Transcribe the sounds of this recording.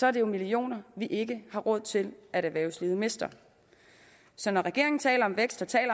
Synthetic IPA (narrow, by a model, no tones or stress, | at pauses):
sɒæɐd̥ejo̝milio̝̰ːnɐʋiʔe̝ɡ̥əhɑ̈ʁɔ̽ð̰ˠt͡sʰe̝lʔæɾæʋæɐʊsliːð̩ˠme̝sd̥ɐ | sɒ̽nɒʁɛɡ̥e̝ɐ̰e̝ŋn̩t͡sʰɛ̰ːlɐɒ̽mʋeɡ̥sd̥ɒ̽t͡sʰɛ̰ːlɐ